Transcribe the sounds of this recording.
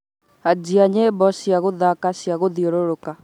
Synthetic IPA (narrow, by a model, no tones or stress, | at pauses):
ad͡ʒiaɲebɔɕiaɣoðakaɕiaɣoðioɾoɾoka